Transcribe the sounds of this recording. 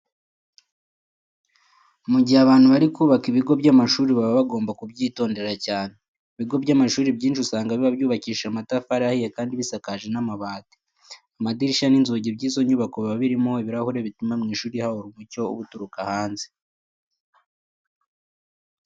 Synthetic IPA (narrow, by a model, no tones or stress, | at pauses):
muɟihaβaːn̥huβaɾikuːβakiβiɡo̞bɟamaʃuːɾiβaβaβaɡo̞ːmbakubjiːto̞ːnde̞ɾacaːne | iβiɡo̞bɟamaʃuːɾibɟiːnʃusaːŋɡaβiβabjuːβaciːʃamatafaɾahijekaːndiβisakaʒe̞namaβaːte̥ | amadiɾʃaninzoːɟibɟiːzo̞ɲuβako̞aβiɾimo̞iβiɾahuɾe̞βitumamŋiːʃuːɾihahoɾumuco̞ṵβutuɾukahaːnze